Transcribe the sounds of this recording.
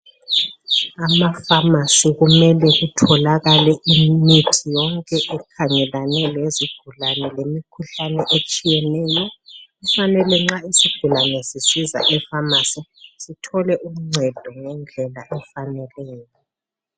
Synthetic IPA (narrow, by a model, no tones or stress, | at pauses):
amafamasiɣumɛlɛɣutʰɔlaɣalɛʔimitʰijɔŋkʼɛʔɛkʰaŋɛlanɛleziɡ̥ʱulanɛlemikʰuɬanɛʔet͡ʃʼijɛnɛːjɔufanɛlɛŋ͡ǁaisiɡ̥ʱulanɛsisiza̰ʔɛfamasisitʰɔlɛʔum̩ŋ͡ǀʱɛd̥ʱɔŋɛnd͡ɮʱɛlaʔɛfanɛlɛːjɔ